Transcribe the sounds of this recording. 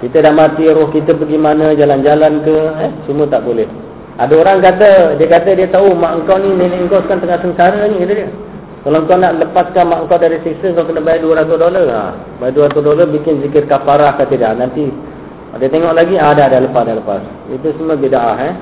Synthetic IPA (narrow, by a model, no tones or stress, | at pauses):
kit̪ədaʔmat̪iɾʊhkit̪əbəɡimanəd͡ʒaland͡ʒalankəɛsumət̪aʔbolɛh | adaoɾaŋkat̪̬ədiəkat̪ədiət̪aumaʔəŋkawnininaəŋkɔskant̪əŋahsənsaɾəɲiilədiə | kalant̪uanːaʔləpaskamaʔəŋkawdaɾisiksəŋkawkənəbaiduəɾat̪ʊdoləra̰ | bajiʔduəɾat̪usdolarbikɪnzikɪrkapaɾahkat̪idaʔnant̪i | diət̪eŋɔʔlaɡiadadaləpasdaləpa̰s | ḭt̪usəməbidaʔaɦɛ